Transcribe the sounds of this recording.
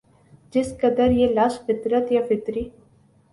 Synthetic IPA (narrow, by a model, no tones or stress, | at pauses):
d͡ʒɪskəd̪əɾjelaːʃfɪt̪ɾət̪jafɪt̪ɾiː